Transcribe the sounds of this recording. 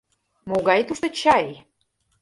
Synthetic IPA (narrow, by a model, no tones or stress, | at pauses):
moɣɑjt̪uʃt̪ə̆t͡ɕɑj